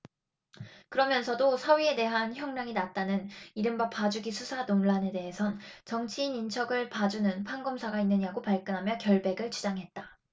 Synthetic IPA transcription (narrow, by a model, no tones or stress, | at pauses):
kɯɾʌmjʌnsʰʌdosʰʌɥie̞de̞ɦançjʌŋnaŋinat͈anɯniɾɯmbapad͡ʑuɡisʰusʰanonɭane̞de̞ɦe̞sʰʌnt͡ɕʌŋt͡ɕʰiːnint͡ɕʰʌɡɯɭpad͡ʑunɯnpʰanɡʌmsʰaɡainːɯɲiaɡopaɭk͈ɯnɦamjʌkjʌɭbe̞ɡɯɭt͡ɕud͡ʑaŋɦe̞t̚t͈a